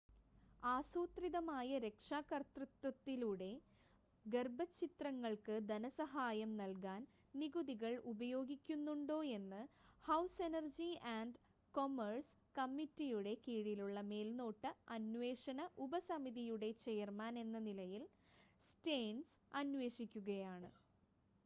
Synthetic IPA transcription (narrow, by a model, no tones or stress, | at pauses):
aːsuːt̪riðɐmaːjɐɾe̞kʂaːkɐrt̪rɨt̪wɐt̪ːiluɽe̞ | ɡerbɐt͡ɕːit̪rɐŋːɐɭkɨd̪ɐnɐsɐɦaːjɐmnɐlkaːn | niɣuðiɣɐɭubɐjo̞ːɡikʲːunːuɳɖo̞ːe̞nːɨhɐwse̞nɐrd͡ʑiaːɳɖ | ko̞mɐrs | kɐmːitːijuɽe̞kiːɻiluɭːɐme̞ːlno̞ːʈːɨɐnʋe̞ːʂɐnɐʔubɐsɐmiðijuɽe̞t͡ɕejɐrmaːne̞nːɐnilɐjil | sʈeːɳs | ɐnʋe̞ːʂikʲːuɣɐjaːɳɨ̰